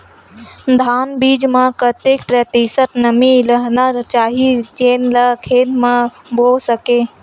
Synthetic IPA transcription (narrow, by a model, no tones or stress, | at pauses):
d̪ʱaːnbiːd͡ʒmãkət̪ekpɾət̪isət̪nəmiləɦnat͡ʃaːɦid͡ʒeːnləkʰeːd̪mãbosəkeː